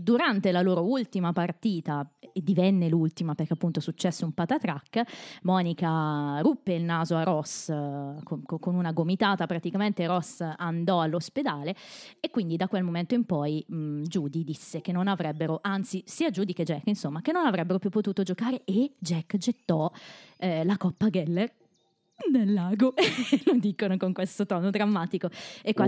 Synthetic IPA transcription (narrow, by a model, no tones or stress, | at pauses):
d̪uɾant̪elaloːɾoult̪imapart̪iːt̪ad̪ivɛnːelult̪imaperkeapːunt̪osut͡ʃːɛsːeumpat̪at̪ɾakːmɔːnikarupːeilnaːzoarɔskokokonunaɡomit̪aːt̪apɾat̪ikament̪eɾɔsand̪ɔalːosped̪aːleekːwind̪id̪akːwelmoment̪oimpɔjd͡ʒuːd̪id̪isːek̟enːonavɾɛbːeɾoʔant̪sisiːad͡ʒuːd̪iked͡ʒɛkːinsomːak̟enːonavɾɛbːeɾopjupːot̪uːt̪od͡ʒokaːɾeed͡ʒɛkːd͡ʒet̪ːɔ | lakɔpːaɡɛlːer | d̪elːaːɡolod̪ikonokoŋkwest̪ot̪ɔnod̪ɾamːaːt̪ikoekːwa